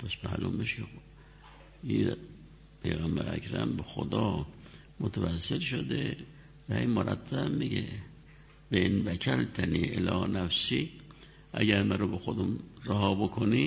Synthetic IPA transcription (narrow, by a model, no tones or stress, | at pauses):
pʰæsmæ̰lumeʃkʰe | i | pʰḛjɣæmbæɾæ̰kɾæ̰mbexo̰d̪ɒː | mot̪ʰævæsːelʃod̪ḛ | væimoɾæ̰t̪ʰːæbːiɡḛ | b̥einvækʰælt̪ʰæniːʔelɒ̰ːnæfsi | ʔæ̰ɡæɾmæɾobexod̪omɾæhɑːbokʰoni